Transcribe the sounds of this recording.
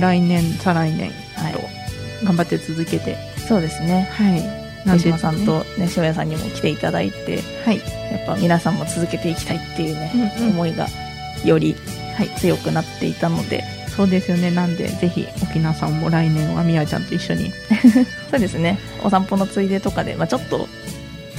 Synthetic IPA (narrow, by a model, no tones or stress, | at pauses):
ɾainẽ̞nsaɾainẽ̞̰ŋ | at̪o̞̰ | ɡãmbat̪ːe̞t͡sɨzɨke̞t̪e̞̰ | so̞ːd̪e̞sɨne̞hai | nãsãnt̪o̞neɕiojasãɲ̟ːimo̞̰kʲi̥t̪e̞it̪ad̪a̰it̪e̞̰ | haijapːamʲinasãmːo̞t͡sɨzɨke̞t̪e̞ikʲi̥t̪ait̪ːe̞jɯ̟noomo̞iɡa̰ | jo̞ɾʲi | hait͡sɨjo̞kɯ̟nat̪ːe̞̰it̪ano̞̰d̪e̞̰ | so̞ːd̪e̞sɨjo̞ne̞nãnd̪e̞̰ze̞çḭokʲinasãmːo̞ɾainẽ̞ɰ̃oamʲiat͡ɕã̰nt̪o̞iɕːo̞ɲ̟ḭ | so̞ːd̪e̞sɨne̞ | o̞̰sãmpo̞no̞t͡sɨid̪et̪o̞kad̪e̞̰mat͡ɕo̞t̪ːo̞̰